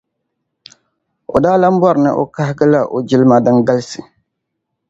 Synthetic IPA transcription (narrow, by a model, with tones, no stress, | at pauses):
o̰˨daː˦la˦m̩˦bɔ˦ɾɪ˨nɨ̰˨ʔo̰˨ka˦hɪ˦ɡɨ˦la˦ʔo˨d͡ʒi˦lɨ˦ma˦dɨ˦ŋɡa˦lsɨ˨